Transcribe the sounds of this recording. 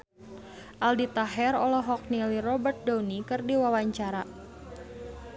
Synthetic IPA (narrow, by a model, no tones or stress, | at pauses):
ʔaldit̪aɦɛrɔlɔɦɔk̚nilirɔbərt̪̚dawnikɨrdiwawaɲt͡ʃaɾa